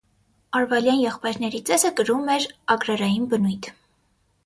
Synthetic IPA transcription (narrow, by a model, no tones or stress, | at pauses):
ɑɾvɑjljɑnjɛχpɑjɾn̪ɛɾit͡sɛzəkəɾumɛɾɑɡɾɑɾɑjinbənujt̪ʰ